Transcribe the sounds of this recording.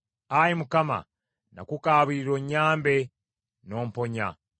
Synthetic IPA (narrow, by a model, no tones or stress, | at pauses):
ajimukama̰ | na̰kukaːβiiɾoɲːaːmbe̞ | no̞ːmpo̞ɲa̰